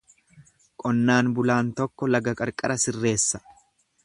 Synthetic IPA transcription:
kʼɔnːaːnbʊlaːnt̪ɔkːɔlɐɡɐkʼɐɾkʼɐɾɐsɪrːe̞ːsːɐ̥

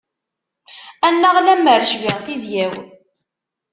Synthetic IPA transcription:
ænːəʁlæmːəɾʃʝəʁθizjæw

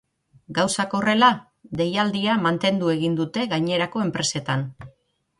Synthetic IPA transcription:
ɡawsako̞re̞la | d̪e̞jald̪iamant̪e̞nd̪ue̞ɣ̞ind̪ut̪e̞ɣajɲe̞ɾako̞e̞mpɾe̞se̞t̪an

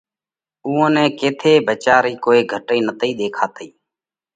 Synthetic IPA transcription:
uːõːnɛ̃ːkeːt̪ʰeːbʱət͡ʃaːɾiːkoːiːɡʱəʈiːnət̪iːɗ̪eːkʰaːt̪iː

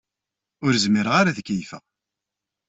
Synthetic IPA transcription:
ʊɾzmiɾʁaɾaðəkːijfə̰

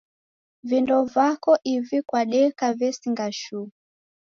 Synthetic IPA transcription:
vindɔvakɔʔivikwaɗɛkavɛsiŋɡaʃu

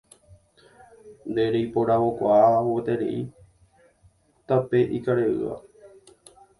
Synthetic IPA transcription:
nd̪eɾejpoɾawokʷaʔaaɦot̪eɾḛʔi | t̪apeʔikaɾeʔɨ̰a̰

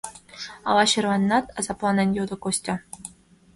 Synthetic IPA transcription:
ɑ̰lˠɑɕɤ̆rɑnʲːɑt̪ɑzɑplˠɑnɘ̆nʲjod̪ɤ̆kosʲtʲɤ̆

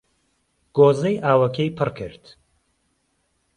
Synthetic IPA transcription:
ɡ̥oːzejʔaːwɐkʰejpʰɨrkʰɨ̰ɾt̪

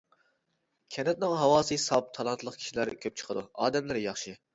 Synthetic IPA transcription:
kʲʰɛnɛt̪̚nɪŋɦɑwɑːsɨsɑp̚t̪ʰɑlˠɑnt̪ʰlˠəqkʲʰi̥ʃilæɾkʲʰøp̚t͡ʃʰə̥qʰəd̪uɑːd̪ɛmlɪɾjɑχʃɨ

